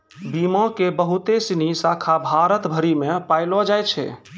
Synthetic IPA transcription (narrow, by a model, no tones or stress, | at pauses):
bimɔ̃kebəɦut̪esinisakʰabʱaɾət̪bʱəɾimẽpajlɔd͡ʒajt͡ʃʰɛ̰